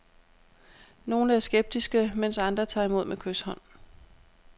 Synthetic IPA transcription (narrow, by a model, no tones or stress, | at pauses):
no̝ːnəæɐsɡ̥eb̥̚d̥isɡ̥əmen̰sɑ̈nd̥ʁɐt͡sʰɑ̈ːimo̝ð̞̰ˠmʔekʰøshɒ̽n̰